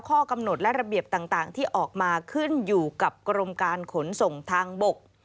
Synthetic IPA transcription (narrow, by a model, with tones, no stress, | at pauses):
wkʰɔː˥˩ka˧mno˨˩t̪̚lɛ˦˥ɾa˧bi˨˩əp̚t̪aː˨˩ŋt̪aː˨˩ŋt̪ʰiː˥˩ʔɔː˨˩k̚maː˧kʰɯ˥˩njuː˨˩ka˨˩p̚kɾo˧mkaː˧nkʰo˩˦nso˨˩ŋt̪ʰaː˧ŋbo˨˩k̚